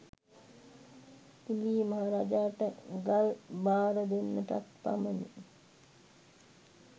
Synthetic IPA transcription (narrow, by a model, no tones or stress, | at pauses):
iliːmaɦaɾaːd͡ʒaːʈəɡalbaːɾəd̪enːəʈa̰k̪pa̰məni